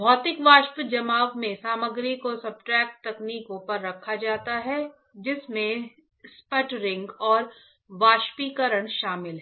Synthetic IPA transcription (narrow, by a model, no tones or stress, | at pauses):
bʱɔːt̪ɪkʋaːʃpɪt̪d͡ʒɐmaːʋmẽsaːməɡɾikosɐb̚ʈɾɛːk̚ʈ̚t̪ɐkniːkõpɐɾːɐkʰːad͡ʒaːt̪aɦɛ | d͡ʒɪsmẽ | spəʈɾɪ̃ŋɡɔːɾ | ʋaːʃpikəɾəɽ̃ʃaːmɪlɦɛː